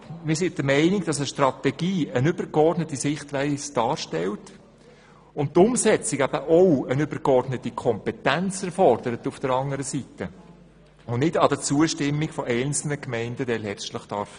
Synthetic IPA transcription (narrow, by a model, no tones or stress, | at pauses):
mɪːsɪntdəmɛɪnɪɡd̥ɑsəʃtrɑtɛɡ̥iːənʏbəɾɡɔrdnətisɪχtʋæɪsd̥ɑːɾʃtɛlt | ʊnt̚tːʊmsɛt͡sɪkæbəʔowənʏbəɾkɔrdnətikʰɔmpɛtænt͡sɛɾfɔrd̥əɾətufd̥əɾɑŋəɾəsitə | ʊnnɪdɑd̥ət͡suəʃtɪmːiɡfɔʔɛɪnt͡sl̩nəkmɛɪndədɛlhɛrʃtləχd̥ɑɾf